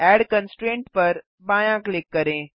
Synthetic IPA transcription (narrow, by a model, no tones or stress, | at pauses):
ɛːɽkənsʈɾẽːɳʈpɐɾ | bãːjãklekːɐɾẽː